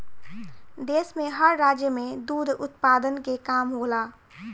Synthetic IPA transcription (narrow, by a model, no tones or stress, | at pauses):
d̪esmeɦəɾːad͡ʒjəmed̪ud̪ʱʊt̪pad̪ənkekamɦola